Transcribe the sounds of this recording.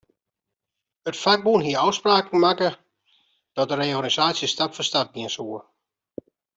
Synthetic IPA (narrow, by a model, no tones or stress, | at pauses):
ətfaɡ̚bunɦiəɔwspraːkŋ̩makə | d̥ɔt̚dəreanisaːsjəstapfəstat̚ɡiənsuə